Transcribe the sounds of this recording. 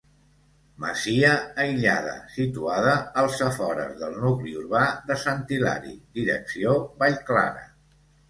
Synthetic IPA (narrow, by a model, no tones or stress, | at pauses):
məziəːjʎað̞ə̰sit̪uaðəːlˠsəfɔɾə̰zðəlˠnukliuɾβaðəsənt̪ila̰ɾḭd̪iɾə̰ksioβaʎkla̰ɾə̰